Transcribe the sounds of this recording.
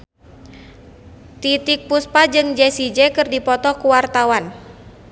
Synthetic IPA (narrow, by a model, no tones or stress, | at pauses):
t̪it̪ik̚puspad͡ʒɨŋd͡ʒɛsid͡ʒɛkɨrdipɔt̪ɔkuwart̪awan